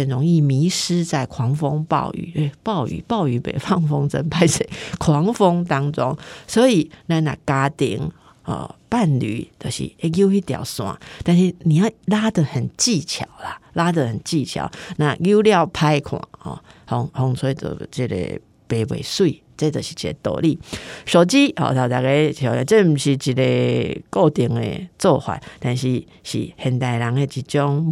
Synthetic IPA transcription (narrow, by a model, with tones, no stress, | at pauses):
ə˨˩nɻʊ˧˥ŋi˥˩mi˧˥˦ʂɻ̩˥t͡sa˥˩ɪkʰwɑ˧˥˦ŋfo˦ŋpɑ̰˥˩ʊʔy̰˨˩e˥˧˩pɑ˥˩ʊy̰˨˩pɑ˥˩ʊy˨˥pḛ˨˩ɪfɑ˥˧ŋfo˥ŋt͡sə˦˩npʰa˥ɪse˨˦kʰwɑ˧˦ŋfo˦ŋt̪ɑ˥ŋt͡sʊ˦˥ŋswɔ˧˥i˨˩na˥˧na̰˥˩ka˦t̪ḭ˧˩ŋ | ə̰˨˩pa˥˨˩nly̰˨˩˦t̪ə˧˨˩ɕḭ˧˥e˥˧jo˥˧ʊi˥˩t̪jɑ̰˨˩ʊswɑ̰˨˩˦t̪a˥˧nʂɻ̩˥˩ni˨˩ja˥˩la˦˥d̪ə˨hə˨˩nt͡ɕi˥˩t͡ɕʰjɑ̰˨˩˦ʊla˨la˦d̪ə˨hə˨˩nt͡ɕi˥˧˨t͡ɕʰja̰˨˦ʊnã˥˧ɡju˦lja˥˨ʊpʰa˦ɪkʰwã̰˨˩hɔ̰˨˩hɔ˧ŋhɔ˧˦ŋt͡sʰwe˧˦˧t͡sə̰˨˩t͡ɕi˧˩lḛ˨ | pe˨bwḛ˨˩swi˥˨ | t͡se˦t̪ə˨˩ɕi̥˨t͡ɕi˨˩ḛ˨˦t̪o̰˨˩li˥˨ɕo˨˩ʊt͡ɕi˦hɔ̰˨t̪a˨˩t̪a˨˩ke˧o˨˧˦t͡se˥˦m̩˨˩ɕi˨˩t͡ɕi˨le˨ko˥˧t̪ji˨˩ŋḛ˨t͡sɔ˥˧hwa̰˨˦t̪a˥˧˨nɕi˧ | ɕḭ˨hɛ˨˩nt̪a˨˩ɪla˨˦ŋe˧t͡ɕi˨˩t͡ɕjɔ˦ŋ